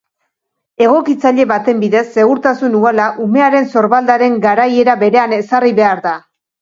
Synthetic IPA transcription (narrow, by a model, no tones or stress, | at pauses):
e̞ɣ̞o̞kit͡saʎe̞βat̪e̞mbiðe̞sːe̞ɣuɾt̪asunualaʔume̞aɾe̞nso̞ɾβald̪aɾe̞ŋɡaɾaje̞ɾaβe̞ɾe̞ane̞sariβe̞aɾða